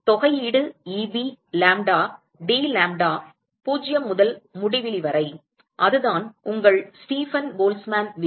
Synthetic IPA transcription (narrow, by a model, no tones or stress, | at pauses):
t̪ɔɣɐjiːɽɯiːbilaːmɖaː | ɖiːlaːmɖaː | puːd͡ʒɪjɐmʊðɐlmʊɽɪʋɪlɪʋɐɾɐɪ | ʔɐðɯðaːnʊŋɡɐɭsʈiːfɐnboːlsmaːnʋ